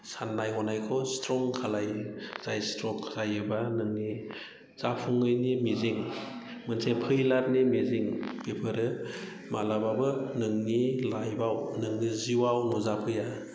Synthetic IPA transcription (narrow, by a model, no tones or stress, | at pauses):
sanːajɦɔnajkʰɔstɾɔŋkʰalajz̥ajstɾɔkʰz̥ajɯbanɯŋni | z̥apʰuŋɯjnimiziŋ | mɯnsʰepʰɯjlat̚nimiziŋbepʰɯɾɯ | malababɯnɯŋnilajbawnɯŋniziwawnɔzapʰɯja